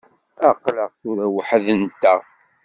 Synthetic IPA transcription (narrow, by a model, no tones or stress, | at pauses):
æqləʁθʊɾæwəħəðənt̪ːəθ